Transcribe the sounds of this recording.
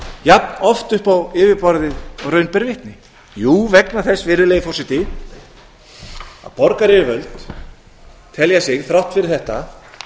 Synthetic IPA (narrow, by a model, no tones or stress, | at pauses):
jap̚nɔft̪ʏhpawɪːvɪpɔɾðɪɔɣrœɥnpɛɾvɪht̪nɪ | juːvɛknaθɛsːvɪɾɪlejɪfɔrsɪt̪ɪ | a̰ðpɔɾkaɾɪvœɥlt̪ | t̪ʰɛljasɪɣθɾawht̪fɪɾɪɾθɛht̪a